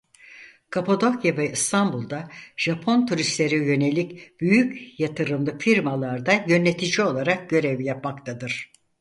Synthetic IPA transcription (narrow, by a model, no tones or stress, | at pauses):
kʰapʰod̪o̞kjavɛist̪ʰambulˠd̪aʒ̥apʰo̞nt̪ʰuɾist̪lʲe̞ɾijø̞ne̞lʲicb̥yjycjat̪ʰɯɾɯmlˠɯfiɾmalˠaɾd̪ajø̞nːet̪ʰid͡ʒio̞lˠaɾak̚ɟø̞ɾevjapmakt̪ʰad̪ɯɾ̥